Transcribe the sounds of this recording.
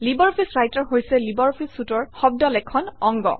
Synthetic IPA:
libɔɹpʰisɹajtɔɹɦojsɛlibɔɹpʰisutɔɹxɔb̚dɔlɛkʰɔnɔŋɡɔ̰

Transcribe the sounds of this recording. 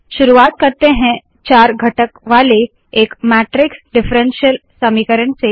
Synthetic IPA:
ʃʊɾuaːt̪̚kɐɾt̪eɦɛ̃ | t͡ʃaːɾɡʱɐʈəkʋaːle | eːkmɛːʈɾɪksɖɪfɾɛ̃nʃijəlsɐmikəɾəɳse

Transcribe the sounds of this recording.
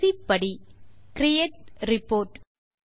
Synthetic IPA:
ipːɐɽikɾɪjeːʈ̚ɾɪpoːɾʈ

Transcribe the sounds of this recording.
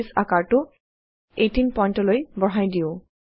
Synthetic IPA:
sakaɹtʊ | etinpɔjntɔlojbɔɦajdijʊ̃

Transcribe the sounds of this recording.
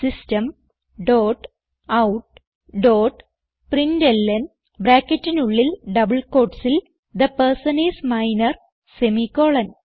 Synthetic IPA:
sisʈɐm | ɖoːʈ | ɐwʈ̚ | ɖoːʈ | pɾĩnɖelːɐn | bɾaːkeʈːinuɭːilɖɐbɨlkoːʈsil | d̪ɐpɐɾsɐnismajɪnɐɾ | semikoːɭɐ̃n

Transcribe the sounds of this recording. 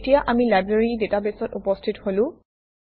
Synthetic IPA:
tijaʔamilajbɹeɹidetabesɔtupɔstʰitholʊ̃

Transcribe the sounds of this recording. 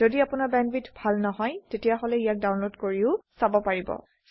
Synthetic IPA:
zodiapʊnaɹbɛnbitbʱalnɔɦɔjtetijaɦolɛijak̚dawnlodkoɹiʊsabɔpaɹibɔ̰

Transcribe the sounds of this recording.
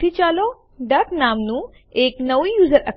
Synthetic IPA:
it͡ʃaːlo | ɖɐknaːmnu | eːknɐʋjuːzəɾɐk

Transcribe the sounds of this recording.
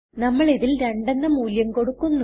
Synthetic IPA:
nɐmːɐɭiðilɾe̞ɳɖɐnːɐmuːljɐmko̞ɽukːunːu

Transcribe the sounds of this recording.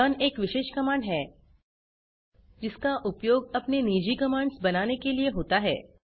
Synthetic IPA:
aːneːkʋɪʃeːʃkɐmaːɳɖɦɛː | d͡ʒɪskaʔʊpjoːɡɐpneniːd͡ʒikɐmãːɳɖsbɐnaːnekelieɦoːt̪aɦɛ̰ː

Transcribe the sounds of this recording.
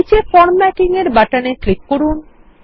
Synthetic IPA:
t͡ɕefɔɾmɛkiŋeɾbaʈaneklikːoɾun

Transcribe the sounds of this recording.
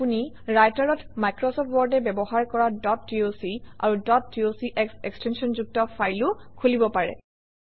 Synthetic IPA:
puni | ɹajtaɹɔtmajkɹɔsɔp̚ʰtwɔɹdɛbɛbɔhaɹkɔɹadɔtːiosia̰ɹudɔtːiosiʔɛksekstʰensɔnzuk̚tɔfajlʊkʰulibɔpaɹɛ̰

